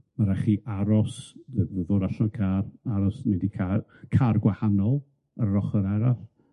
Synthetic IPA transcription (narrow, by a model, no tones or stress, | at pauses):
maɾaχiːʔaɾɔslɪvəðɔɾaʃɔnkʰaːraɾɔsnɪndikʰakʰarɡwahanɔlˠ | ərrɔχəɾɛɾaθ